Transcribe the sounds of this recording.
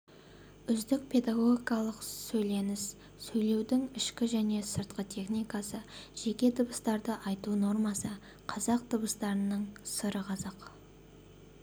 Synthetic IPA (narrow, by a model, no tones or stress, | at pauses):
ʏzd̪ɪk̚pʰe̞d̪aɡo̞ɡʲikɑlˠəqsɵjle̞nɪs | sɵjle̞wd̪ɪŋɪʃkʲɪʒæne̞səɾt̪̚qət̪ʲʰe̞χnijkɑsəʒ̥e̞kʲe̞d̪əbəst̪ɑɾd̪əʔɑjt̪uno̞ɾmɑsə | qʰɑzɑq̚t̪əbəst̪ɑɾənəɴsəɾəqʰɑzɑq